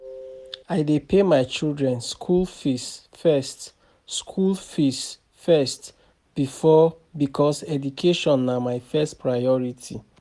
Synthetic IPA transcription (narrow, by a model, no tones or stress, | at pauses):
aɪdepemaɪt͡ʃildɹɛ̃nskʰulfis | fɛst | skʰulfis | fɛst | b̥ifɔ | bikʰɔsɛdukʰeʃɔ̃nːamaɪfɛstpɹaɪɔɹitʰi